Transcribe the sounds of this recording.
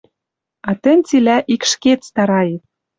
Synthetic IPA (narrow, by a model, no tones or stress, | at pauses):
ɑt̪ɘ̆nʲt͡silæʔikʃket̪st̪ɑɾɑjet̪̚